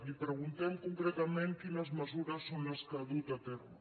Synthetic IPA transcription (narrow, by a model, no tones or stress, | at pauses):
lipɾeɣunt̪ɛmkuŋkɾet̪amẽŋkinɐzməzuɾɐsːonlaskaðut̪at̪ɛrɐ̰